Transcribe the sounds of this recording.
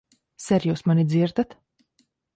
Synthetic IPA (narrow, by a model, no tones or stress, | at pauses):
sɛɾjuːsmanid̪ziɾd̪at̪